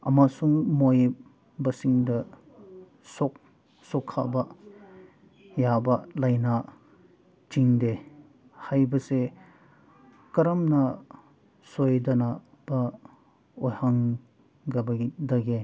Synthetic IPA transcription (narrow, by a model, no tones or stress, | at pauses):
ɐ̰masuŋmoj | bɐsiŋdɐ | sɔk̚ | sɔkʰa̰bɐ | jabɐlajnɐ | t͡ʃiŋde | hajbɐse | kɐɾɐmnɐ | sojdɐna | b̥ɐ | ojhaŋ | ɡɐbɐdɐɡe